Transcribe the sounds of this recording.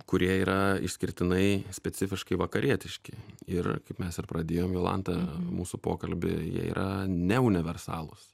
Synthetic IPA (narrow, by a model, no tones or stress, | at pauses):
kʊɾʲiɛiːɾʔɐɪ̰ʃʲsʲkʲɪɾʲt̪ʲɪnɐɪsʲpʲɛtsʲɪfʲɪʃkɐɪʋɐkɐɾʲʔiɛt̪ʲɪʃʲkʲɪɪrkɐɪpmʲɛsɪrpɾɐd̪ʲeːjoːmjoːlˠɐ̰nt̪ɐmuːsʊpo̰ːkɐlʲbʲɪ̰jḭɛ̰ḭːɾʔɐnʲɛʊnʲɪʋʲɛrsɑ̰ːlˠʊs